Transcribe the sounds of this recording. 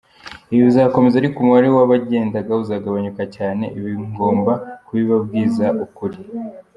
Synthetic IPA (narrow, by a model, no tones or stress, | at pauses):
iβiβizako̞me̞zaɾikumuwaɾewaβaɟe̞ːndaɡauzaːɡaβaɲukacaːne̞̰ʔiβiŋɡo̞ːmbakuβiβabɡiːzaʔukuɾi